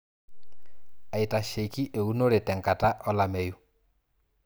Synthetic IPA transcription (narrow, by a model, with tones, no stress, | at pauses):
a˨ita˨ʃe˨ki˦ʔe˨u˦no˦ɾetɛ˨ŋka˨ta˦ʔɔ˦lame˨ju˦